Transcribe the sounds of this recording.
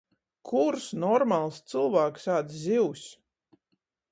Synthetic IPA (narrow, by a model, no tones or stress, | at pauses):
kʰuɾsnɔɾmalˠst̪sɨlˠvaːksaːt̪szʲiws